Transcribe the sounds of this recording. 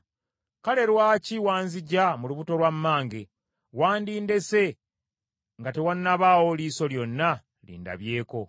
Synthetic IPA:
kale̞ɾwaciwaːnziɟamuluβuto̞lwamːaːŋɡe | waːndiːnde̞se̞ | ŋɡate̞wanːaβaːwo̞liːso̞ljo̞nːa | lḭːnda̰βje̞ːko̞

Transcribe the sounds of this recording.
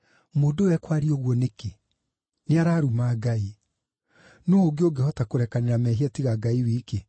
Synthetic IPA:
moːndowɛkwaɾioɣwɔneke | neaɾaːɾumaːɡai | noːɡeoɡehɔtakoɾɛkaneɾamɛɦiatiɣaɡaiwiːke

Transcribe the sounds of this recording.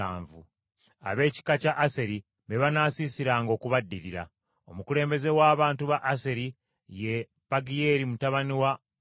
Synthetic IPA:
aːɱvṵ | a̰βe̞ːci̥kacaʔːse̞ɾi | βeβanaːsisiɾaːŋɡo̞ːkuβadːiɾiɾa̰ | o̞mukule̞ːmbe̞ze̞waːβaːntuβaʔːse̞ɾi | je̞ | paɡije̞ɾimutaβaniwa

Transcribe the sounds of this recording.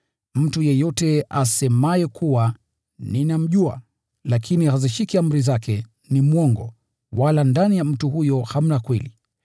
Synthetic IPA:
m̩tujɛjɔtɛasɛmajɛkʰuwa | ninam̩ʄua̰ | lakʰinihaziʃikiam̩ɾizakɛ | nimuɔŋɡɔ̰ | walandanijam̩tuhujɔham̩nakwɛli

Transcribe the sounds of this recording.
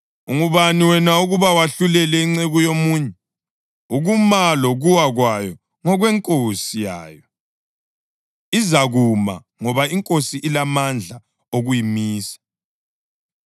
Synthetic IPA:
uŋuβaniwɛnauɣuβawaɬulɛlɛiŋ͡ǀeɣujomuːɲɛ | uɣumalɔɣuwaɣwajɔ | ŋɔɣwɛŋkʼosija̰ːjɔ | izaɣuma̰ | ŋɔβaiŋkʼosiʔilamand͡ɮʱa | oɣujimiːsḁ

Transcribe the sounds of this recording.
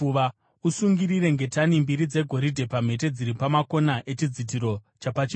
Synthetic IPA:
ʋa | usuŋɡiriɾe̞ŋɡe̞tanimbiɾid͡ze̞ɡʱo̞ɾidʱe̞pam̤e̞t̬e̞d͡ziɾipamako̞naʔe̞t͡ʃid͡zit̬iɾo̞ | t͡ʃapat͡ʃi

